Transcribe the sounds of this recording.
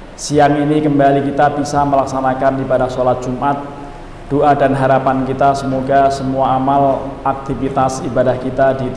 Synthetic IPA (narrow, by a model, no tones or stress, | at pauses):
siaŋinikəmbalikit̪abisaməlaksanakanibadahsolat̪̚d͡ʒ̥umʔat̪̚ | d̥oʔadanɦaɾapankit̪asəmoɡasəmuaːmalak̚t̪ifit̪asibadahkit̪adi